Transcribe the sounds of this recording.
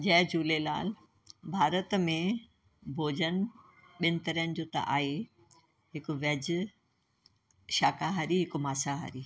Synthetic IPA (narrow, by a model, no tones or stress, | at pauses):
d͡ʑɐ̃ɦɪ̃d͡ʑuːlela̰ːl | bʱaːɾət̪mẽ | bʱoːd͡ʑənɪ̆ | ɓɪnɪ̆t̪ɐɾiənɪ̆d͡ʑoːt̪ɐ̰ʔaːɦe | ɦɪkʊʋɐd͡ʑ | ʃaːkaɦaːɾiɦɪkomaːsaɦa̰ːɾiː